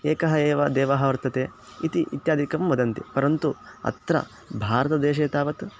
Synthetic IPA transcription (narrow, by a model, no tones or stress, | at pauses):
eːkɐɦɐeːʋɐd̪ɛːʋɐɦɐʋɐɾt̪ɐt̪eː | it̪iʔit̪jaːd̪ʱikɐmʋɐd̪ɐnt̪ḭpɐɾɐnt̪uɐ̰t̪ɾɐ̰ | bʱaːɾɐt̪ɐd̪eːʃ̬eːt̪aːʋɐt̪